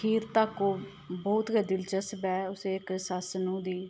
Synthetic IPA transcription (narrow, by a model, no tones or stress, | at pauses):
iːɾt̪aːkoː | bɔːt̪ɡəd̪ɪlt͡ʃəsbɛːʊseːɪksasnũːd̪iː